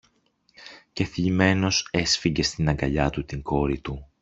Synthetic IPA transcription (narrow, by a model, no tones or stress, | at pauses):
ce̞θʎime̞no̞se̞sfiɲɟe̞st̪inɐŋɡɐʎɐt̪ut̪iŋɡo̞ɾit̪u